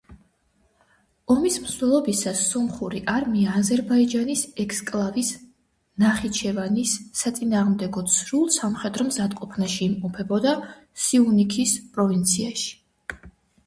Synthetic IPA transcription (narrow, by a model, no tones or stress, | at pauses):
ɔmismzɛlˠɔbisasːɔmχuɾiʔaɾmiaːzɛɾbaid͡ʒanisɛkʰskʼlˠavis | naχit͡ʃʰɛvanisːat̪sʼinaːʁmd̪ɛɡɔt̪sʰɾulˠsamχɛd̪ɾɔmzad̪̚qʼɔpʰnaʃiːmqʼɔpʰɛbɔd̪a | siunikʰispʼɾɔvint̪sʰiaʃi̥